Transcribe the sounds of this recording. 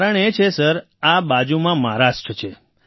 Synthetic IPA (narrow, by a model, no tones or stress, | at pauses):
ɾəɳet͡ʃʰesəɾ | abad͡ʒumãmaɦɾaʃʈʰət͡ʃʰe